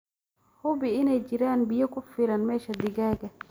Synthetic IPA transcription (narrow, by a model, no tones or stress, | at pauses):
hubiinad͡ʒiɾaːnbijakufːiɾanmɛʃad̪iɡaːɡa